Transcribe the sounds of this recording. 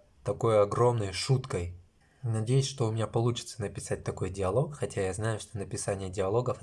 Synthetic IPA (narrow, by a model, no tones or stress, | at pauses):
t̪ɐko̞jɐɡro̞mnəjʂut̪kəj | nɐdʲejʊsʲʂt̪o̞ʊmʲɪnʲapɐlˠut͡ɕɪ̥t̪sənəpʲɪ̥sat̚ʲt̪ɐko̞jdʲɪɐlˠo̞kxɐtʲajaznajʊʂt̪o̞nəpʲɪsanʲɪjədʲɪɐlˠo̞ɡəf